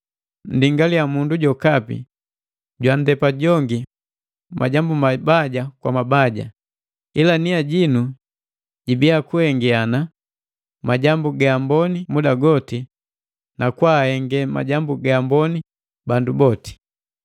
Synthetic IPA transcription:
n̩diŋɡalijamunduɟɔkapḭ | ɟwandɛpaɟɔŋɡi | ma̰ɟambumabaɟakwa̰mabaɟa̰ | ilaniaɟinu | ɟibiakuhɛŋɡɛana | maɟambuɡaːmbɔnimudaɡɔti | nakwahɛŋɡɛma̰ɟambuɡaaːmbɔni | bandubɔti̥

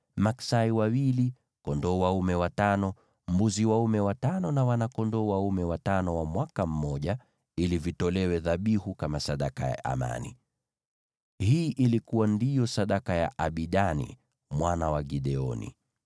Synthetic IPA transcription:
maksaiwawili | kɔndɔːwaumɛwatanɔ | m̩buziwaumɛwatanɔnawanakɔndɔwaumɛwatanɔwamwakam̩ːɔʄa | ilivitɔlɛwɛðaɓihukamasaɗakaja̰ʔa̰ma̰nḭ | hiːʔilikuwandijɔsaɗakaja̰ʔaɓiɗanḭ | mwanawaɡiɗɛɔnḭ

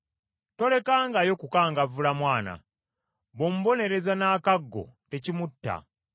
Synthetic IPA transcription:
to̞le̞kaːŋɡajo̞kukaːŋɡavulamwaːna̰ | βomuβo̞ne̞ɾe̞zanaːkaɡːo̞̰te̞cimutːa̰

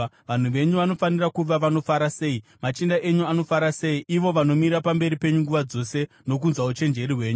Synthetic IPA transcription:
ʋan̤uʋe̞ɲuʋano̞fanirakuʋaʋano̞faɾase̞ːimat͡ʃindaʔe̞ɲuano̞faɾase̞iʔiʋo̞ʋano̞mirapambe̞ɾipe̞ɲuŋɡuʋad͡zo̞se̞ | no̞k̬unzwaut͡ʃe̞nd͡ʒe̞riwe̞ːɲu

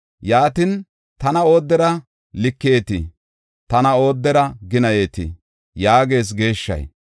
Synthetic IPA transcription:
jaːt̪ɪn | t̪ɐnɐo̞ːd̪ːɛɾɐ | lɪkːe̞ːt̪ɪ̰ | t̪ɐnɐo̞ːd̪ːɛɾɐɡɪnɐje̞ːt̪ɪ̰ | jaːɡe̞ːs̬ɡe̞ːʃːɐ̰j

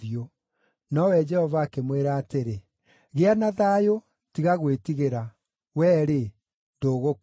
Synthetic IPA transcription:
io | nɔwɛd͡ʒɛhɔvaːkemweɾaːteɾe | ɣeanaðaːjo | tiɣaɣwetiɣeɾa | wɛːɾe | ndoːɣok

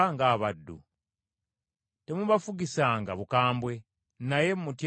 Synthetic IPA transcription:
ŋɡaːβadːṵ | te̞muβafuɡisaːŋɡa̰βukaːmbwe̞ | naje̞mmutj

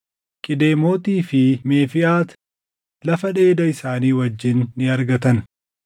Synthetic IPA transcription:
kʼɪd̪e̞ːmo̞ːt̪iːfɪmeːfɪʔaːt̪ | lɐfɐᶑe̞ːd̪ɐɪsaːniːwɐd͡ʒːɪnːɪɐɾɡɐt̪ɐn

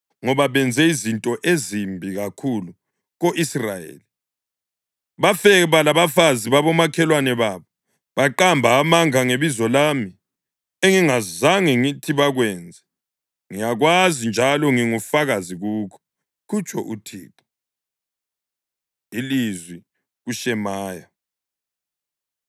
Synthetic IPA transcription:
ŋɔβaβɛnd͡zʱɛizintʼɔʔezimbʱiɣakʰulu | ɣoʔisrajḛːli | βafɛβalaβafaziβaβɔmakʰɛlwanɛβaːβɔ | βaǃambʱaːmaŋaŋeβizɔlami | eŋiŋazaŋɛŋitʰiβaɣwɛːnd͡zʱɛ | ŋijaɣwazind͡ʒʱalɔŋiŋufaɣaziɣuːkʰɔ̥ | kut͡ʃʰʼɔʔutʰḭːǃɔ̥ | ilizwi | ɣuʃɛmaːja

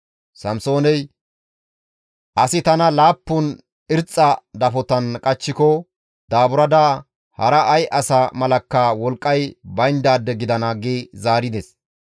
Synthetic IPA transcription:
sɐmso̞ːnɛj | ʔɐsɪt̪ɐnɐlaːpːʊn | ɪɾt͡sʼːɐd̪ɐfɔt̪ɐnkʼɐt͡ʃːɪkɔ | d̪aːbʊɾɐd̪aː | hɐɾɐʔɐjʔɐsamɐlɐkːawɔlkʼːɐjbɐjnd̪aːd̪ːɛɡɪd̪ɐnaːɡeːzaːɾɪd̪ɛs

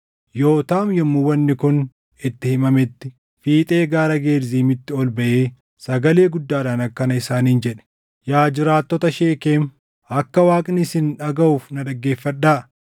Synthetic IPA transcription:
jo̞ːt̪aːmjɔmːʊwɐnːɪkʊn | ɪt̪ːɪhɪmɐmɛt̪ːɪ | fiːt̪ʼe̞ːɡaːɾɐɡeːɾziːmɪt̪ːɪɔlbɐʔe̞ː | sɐɡɐle̞ːɡʊd̪ːaːdaːnɐkːɐnɐɪsaːniːnd͡ʒɛᶑɛ̥ | jaːd͡ʒɪɾaːt̪ːɔt̪ɐʃeːkeːm | ɐkːɐwaːkʼnɪsɪnᶑɐɡɐuːfnɐᶑɐɡːe̞ːfːɐᶑaː

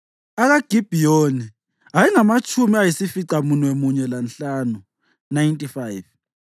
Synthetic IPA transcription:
aɣaɡ̥ʱib̥ʱijoni | ajiŋamat͡ʃʼumiajisifiǀamunwɛmuɲɛlanɬaːnu | najntʼifajv

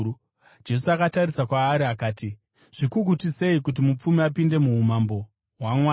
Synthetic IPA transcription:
d͡ʒe̞suakataɾisakwaːɾiakaːti | ʐ̥ikukutise̞ikut̬imup͡fumiapinde̞muɦumambo̞ | ɦwamwa

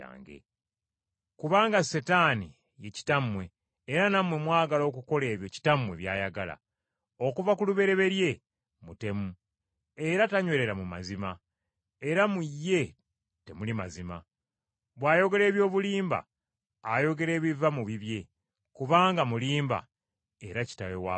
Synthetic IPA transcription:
a̰ːŋɡḛ | kuβaːŋɡasetani | je̞ci̥tamwe̞ː | ɾanamwe̞mwaːɡalo̞ːkuko̞le̞ːβjo̞ci̥tamwe̞βja̰ːjaɡa̰la̰ | o̞kuvakuluβe̞ɾe̞βe̞ɾje̞ | mute̞mu | eɾataɲweɾe̞ɾamuma̰zima | eɾamujːe̞ | te̞mulimazima̰ | βwaːjo̞ɡe̞le̞ːβjo̞ːβuliːmba̰ː | jo̞ɡe̞ɾe̞ːβivamuβiβje̞ | kuβaːŋɡamuliːmba̰ | e̞ɾaci̥taβewa

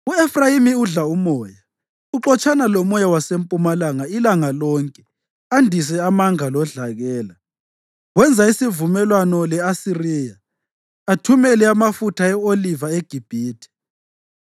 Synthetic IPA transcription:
uɛfrajimiuɮaumɔːja | uǃɔt͡ʃʼanalɔmɔjawasempʼumalaŋailaŋalɔŋkʼɛ | andʱis̬ɛamaŋalɔɮaɣɛːla | wɛnd͡zʱaisivumɛlwanɔlɛasiriːjaː | tʰumɛlɛamafutʰaɛolivaeɡ̥ʱib̥ʱiːtʰʼi̥

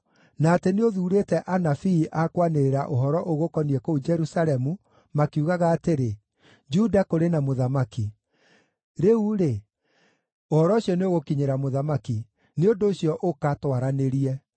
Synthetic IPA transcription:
naːteneoðuːɾetɛʔanafiːʔakwaneɾeɾaʔoɦɔɾɔʔoɣokɔniɛkoud͡ʒɛɾusaɾɛmu | makiuɣaɣaːteɾe | d͡ʒudakoɾenamoðamaki | ɾeuɾe | ohɔɾɔoɕijɔneoɣokiɲeɾamoðamaki | neondoːɕiɔʔokatwaɾaneɾiɛ

